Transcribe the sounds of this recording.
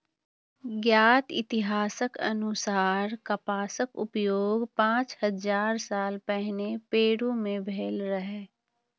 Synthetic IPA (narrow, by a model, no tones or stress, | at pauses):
ɡjaːt̪ɪ̰t̪ɪɦaːsəkɐ̰nʊsaːɾkɐpaːsəkʊpjoːɡpãːt͡ʃhɐzaːɾsaːlpɛɦnepeːɽumẽbʱeːlɾɐɦeː